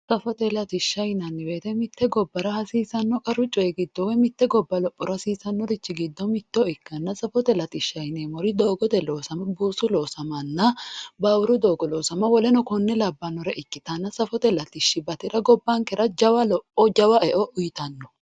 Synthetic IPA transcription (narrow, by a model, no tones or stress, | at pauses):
sɐfɔt̪ɛlɐt̪ɪʃːɐjnɐnːɪbeːt̪ɛmɪt̪ːɛɡɔbːɐɾɐhɐsiːsɐnːɔkʼɐɾʊt͡ʃʼːɔɛɡɪd̪ːɔwɛmɪt̪ːɛɡɔbːɐlɔpʼːɔɾɐsiːsɐnːɔɾɪt͡ʃːɪɡɪd̪ːɔmɪt̪ːɔɪkːɐnːɐsɐfɔt̪ɛlɐt̪ɪʃːɐjneːmɔɾɪd̪o̞ːɡɔt̪ɛloːsɐmɐbuːsʊloːsɐmɐnːɐbɐwʊɾʊd̪oːɡɔloːsɐmɐwɔlɛnɔkɔnːɛlɐbːɐnːɔɾɛʔɪkːɪt̪ɐnːɐsɐfɔt̪ɛlɐt̪ɪʃːɪbɐt̪ɪɾɐɡɔbːɐŋkɛɾʔɐd͡ʒɐwɐlɔpʼːɔd͡ʒɐwɐʔɛʔɔʔʊjɪt̪ɐnːɔ